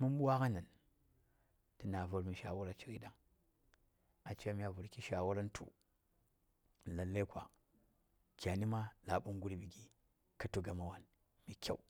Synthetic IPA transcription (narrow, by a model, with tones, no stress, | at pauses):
mu˦m˦ɓwa˦ka˦na˨n | ti˨na˨vu˨ɾmi˨ʃa˨wu˦ɾa˨t͡ʃi˦ɾi˦ɗa˦ŋ | a˨t͡ʃe˦a˦mi˦a˨vu˨ɾki˦ʃa˨wu˦ɾa˦n˦tʰṵ˨ | la˨lːa˦kʷa̰˨ | kʲa˨ni˦ma˦la˨ɓu˦ŋɡu˦ɾi˨bi˨ɡi˦ | ka˦tu˦ɡa˨ma˨wa˦n | mi˨kʲa̰˦˨u˨